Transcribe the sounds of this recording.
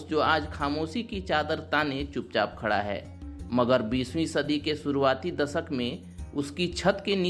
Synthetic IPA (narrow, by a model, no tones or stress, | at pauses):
d͡ʒoːaːd͡ʒxʰaːmoːsikit͡ʃaːd̪əɾt̪aːnẽt͡ʃʊp̚t͡ʃa̰ːp̚kʰəɽa̰ɦɛ̰ː | məɡəɾbiːswĩsɐd̪ikesʊɾuaːt̪id̪ɐsəkmẽ | ʊskit͡ʃʰət̪keni